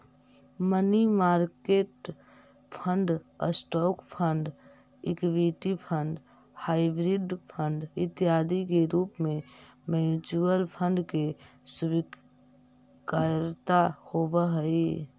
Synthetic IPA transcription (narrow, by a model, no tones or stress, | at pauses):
mənimaɾkeʈ | pʰə̃ɳɖə̰sʈɔkpʰəɳɖ | ikʋiʈipʰəɳɖ | habɾiɖpʰəɳɖɪt̪jad̪ikeɾuːpmẽ | mɛnt͡ʃuəlpʰə̃ɳɖke | subi | kaɾt̪ahobəɦəi